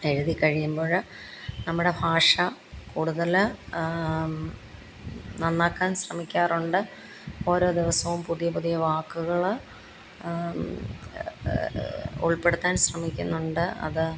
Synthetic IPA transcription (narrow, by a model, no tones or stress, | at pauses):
e̞ɻuðikɐɻijumbo̞ːɻ | nɐmːuɽe̞bʱaːʂɐ | kuːɽuðɐl | nɐnːaːkːaːnɕrɐmikʲːaːruɳɖɨ | o̞ːɾo̞ːd̪iʋɐsɐʋumpuðijɐpuðijɐʋaːkːuɣɐɭ | ṵɭpe̞ɽut̪ːaːnsrɐmikʲːunːuɳɖɨɐ̰ðɨ